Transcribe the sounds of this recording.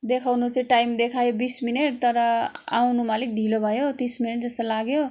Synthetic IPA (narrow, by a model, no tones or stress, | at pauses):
d̪ekʰawnut͡sʌĩʈajmd̪ekʰajobismineʈ̚t̪ʌɾʌa̰wnumalik̚ɖʱilobʱʌjot̪ismineʈ̚d͡zʌst̪ʌlaɡjo